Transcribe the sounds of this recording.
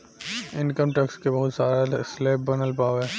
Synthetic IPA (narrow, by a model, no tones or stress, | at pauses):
ɪnkəmʈɐkskebɐɦʊt̪saːɾasleːp̚bɐnəlpaːoɦɛː